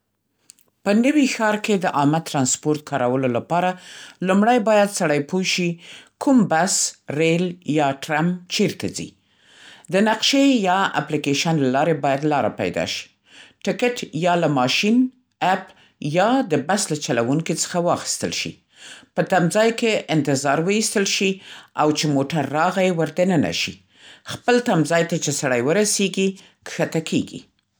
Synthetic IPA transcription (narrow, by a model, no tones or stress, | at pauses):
pənəwixɑɾked̪əʔɑmat̪ɾɑnspoɾt̪̚kʰɑɾawəlolapɑɾalumɽajbɑjad̪saɽajpoʃikʰumbasɾeljɑʈɾamt͡ʃeɾt̪azḭ | d̪ənaqʃejɑa̰plikeʃənlalɑɾebɑjad̪lɑɾa̰pa̰jd̪ɑ̰ʃi̥ | ʈɪkɪʈjɑlamɑʃin | ap | jɑd̪əbaslat͡ʃalawuŋkit͡sə̥xawɑxi̥st̪əlʃḭ | pət̪amzɑjkeʔɪnt̪ɪzɑɾwəist̪əlʃiawt͡ʃemoʈaɾːɑɣajwəɾd̪anəna̰ʃḭ | xpəlt̪amzɑjt̪at͡ʃesaɽajwəɾaseɡi | kxat̪akʰeɡḭ